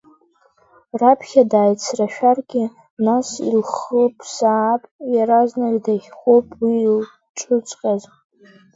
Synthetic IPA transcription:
rapʰχʲadaːjt͡sʰraʃᶣarɡʲɪ | nasḭlχəpʼʰsaːpʼjaɾaznaɡʲdaχʲχʷopʼwil | ʈ͡ʂʼʰʊt͡sʼqʲʼaz

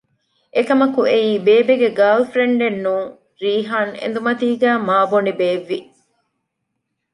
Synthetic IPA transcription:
ʔekɐmɐkueiːbeːbeɡeɡaːlfɾeɳɖenːuː | ɾiːɦaːnḛnd̪umɐt̪iːɡæːmaːbonibeːʋːi

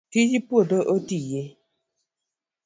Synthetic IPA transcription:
tid͡ʒipwodəʔotije

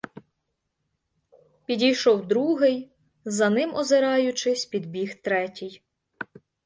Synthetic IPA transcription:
pʲidʲijʃɔwd̪ɾuɦɪj | zɐnɪmʔɔzɪɾɑjʊt͡ʃɪsʲpʲid̪bʲixt̪ɾɛtʲij

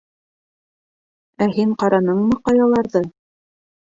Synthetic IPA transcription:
æɦiɴqɑɾɑnɤɴmɤqɑjɑlˠɑɾðɤ

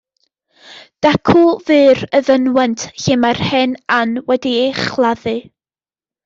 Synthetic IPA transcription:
d̥akʰʊlˠvɨːrəðənwɛntʰɬɪmarhɛnanwɛdieχlˠaðɨ

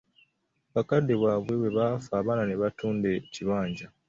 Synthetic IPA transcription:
βakadːe̞βwaβwe̞βe̞βafaːβaːnaneβatuːnde̞ciβaːɲɟa

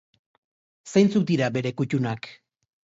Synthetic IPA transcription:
sejnt͡suk̚d̪iɾabe̞ɾe̞kucunak

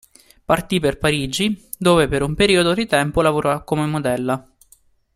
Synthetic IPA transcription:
part̪iperpaɾiːd͡ʒi | d̪oːvepeɾumpeɾiːod̪od̪it̪ɛmpolavoɾɔkːomemːod̪ɛlːa

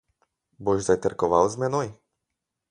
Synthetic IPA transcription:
boʒd̪ajt̪ɛɾkɔʋa̰wzmɛnoj

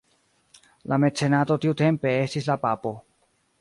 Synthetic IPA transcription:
lʔame̞tse̞nat̪o̞t̪iut̪empe̞est̪islapapo̞

